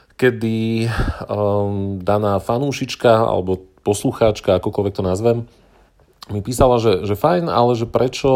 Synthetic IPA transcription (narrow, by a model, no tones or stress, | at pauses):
kɛd̪i | d̪anaːfanuːʃit͡ʃkaa̰lɛ̰bɔpɔsluxaːt͡ʃkaakɔkɔlʋɛk̚t̪ɔnazʋɛm | mipiːsalaʒɛʒɛfajna̰lɛʒɛpɾɛt͡ʃɔ